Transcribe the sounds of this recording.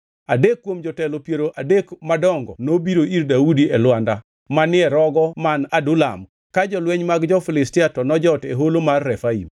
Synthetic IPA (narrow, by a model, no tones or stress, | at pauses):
adekːwomd͡ʒɔtɛlopjeɾoʔadekmadɔŋɡɔnobiɾoiɾdaudiɛlwanda | manɪɛɾɔɡɔmanadʊla̰m | kad͡ʒɔlwɛɲmaɡd͡ʒɔfɪlɪstɪatɔnɔd͡ʒɔteɦolomarːɛfaḭm